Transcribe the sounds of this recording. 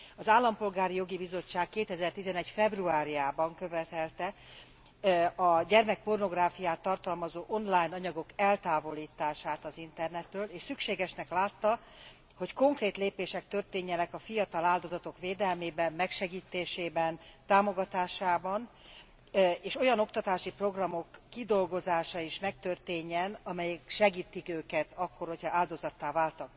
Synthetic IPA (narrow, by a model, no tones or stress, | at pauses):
ɒzaːlːɒmpo̞lɡaːɾijo̞ɡibizo̞t͡ʃːaːkːeːt̪ɛzɛrt̪izɛnɛcfɛbruaːɾijaːbɒŋkø̞vɛt̪ɛlt̪ɛ | ɒɟɛrmɛk̚po̞rno̞ɡraːfijaːt̪ːɒrt̪ɒlmɒzoːʔo̞nlaːjnɒɲɒɡo̞kɛlt̪aːvo̞liːt̪aːʃaːt̪ɒzint̪ɛrnɛt̪ːøːleːʃsykʃeːɡɛʃnɛklaːt̪ːɒ | ho̞cko̞ŋkreːt̪leːpeːʃɛk̚t̪ørt̪eːɲːɛnɛkɒfijɒt̪ɒlaːld̪o̞zɒt̪o̞kʋeːd̪ɛlmeːbɛmmɛkʃɛɡiːt̪eːʃeːbɛnt̪aːmo̞ɡɒt̪aːʃaːbɒn | eːʃo̞jɒno̞kt̪ɒt̪aːʃipro̞ɡrɒmo̞kːid̪o̞lɡo̞zaːʃɒiʃmɛk̚t̪ørt̪eːɲːɛnɒmɛjɛkʃɛɡiːt̪ikøːkɛt̪ɒkːorho̞chɒaːld̪o̞zɒt̪ːaːvaːlt̪ɒk